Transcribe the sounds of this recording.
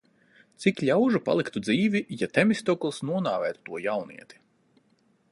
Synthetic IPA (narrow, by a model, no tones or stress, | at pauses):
t̪sikʎʲawʒupa̰lˠikt̪ud̪ziːvʲijat̪ɛmisʲt̪ɔklˠsnuɔnaːvɛːt̪u̥t̪uɔjawnḭɛt̪i̥